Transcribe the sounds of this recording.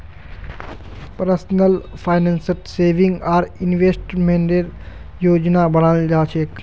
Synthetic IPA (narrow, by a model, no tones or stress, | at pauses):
pəɾsnəlpʰaːjnensəʈseːʋiŋɡaːɾinʋeːsʈmẽɳɖeɾ | joːd͡ʒnabənald͡ʒaːt͡ʃʰeːk